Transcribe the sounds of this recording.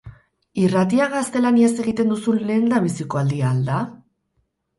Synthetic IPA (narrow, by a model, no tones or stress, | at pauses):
irat̪iaɣast̪e̞laniase̞ɣ̞it̪e̞nd̪usunle̞ːnd̪aβisiko̞ald̪iaːld̪a